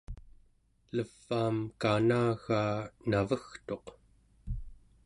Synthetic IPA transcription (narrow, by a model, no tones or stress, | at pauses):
ləv̥ːaːmkanaːɣaːnavəxt̪o̞q